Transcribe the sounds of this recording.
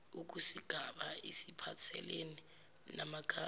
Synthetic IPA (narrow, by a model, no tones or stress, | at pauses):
uk̬usiɡ̥ʱaɓaisipʰat͡sʰɛ̰leni | namaɡ̥ʰʱa